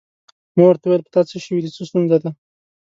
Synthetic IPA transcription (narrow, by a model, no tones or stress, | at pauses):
mɑwəɾt̪awaejelpə̥t̪ɑt͡seʃəwid̪it͡sost̪unzad̪a